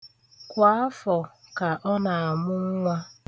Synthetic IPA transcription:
kʷa˨˦a˦fɔ˨ka˨ʔɔ˦na˨a˨mʊ˦ŋ˦ŋʷa˦

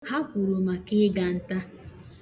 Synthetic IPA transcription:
ha˦kʷu˨ɾo˨ma˨kɪ˦ɡa˨n̩˦ta˦

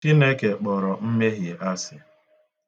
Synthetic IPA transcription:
ti˦ne˦ke˨k͡pɔ˨ɾɔ˨m̩˦me˦ɦje˨ʔa˦sɪ˨

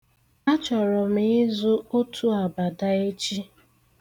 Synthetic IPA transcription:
a˦t͡ʃɔ˨ɾɔ˨m̩˦ɪ˦zo˦o˦tʰu˦a˨ba˨da˦e˦t͡ʃi˦

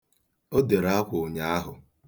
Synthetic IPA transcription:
o˦de˨ɾa˦kʷʊ˨ɲa˦a˦ɦʊ˨

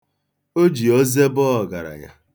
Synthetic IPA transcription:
o˦d͡ʒi˨ɔ˦ze˦bɔ˦ɔ˨ɡa˨ɾa̰˨ɲa̰˨

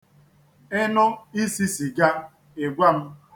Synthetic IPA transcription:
e˦nʊ˦i˦si˦si˨ɡa˦ | e˨ɡʷa˦m̩˦

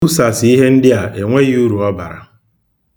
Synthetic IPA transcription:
u˦sa˨sɪ˨i˦ɦe˦n̩˦dɪ˦a˨ʔe˨ŋʷe˦ju˦ɾu˨ɔ˦ba̰˨ɾa̰˨

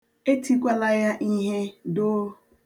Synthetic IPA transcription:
e˦ti˦kʷa˦la˦ja˦ʔi˦ɦe˦do˦

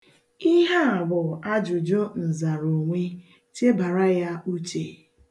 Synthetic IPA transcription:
i˦ɦa˦a˨bʊ˨a˦d͡ʒʊ˨d͡ʒo˦n̩˨za˨ɾo˨ŋʷe˦ | t͡ʃe˦ba˨ɾa˦ja˦u˦t͡ʃe˨

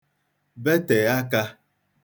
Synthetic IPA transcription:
be˦te˨a˦ka˦

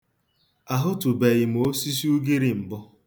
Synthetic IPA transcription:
a˨ɦʊ˦tu˨be˨ɣɪ˨m˨o˦si˦s̬u˦ɡi˦ɾi˦m̩˨bʊ˦

